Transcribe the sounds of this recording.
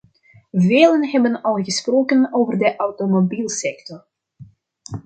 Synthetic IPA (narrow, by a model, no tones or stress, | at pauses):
veːlənɦɛbənɑlˠɣəsproːkənoːvərdəʔawtomobiːlˠsɛktɔr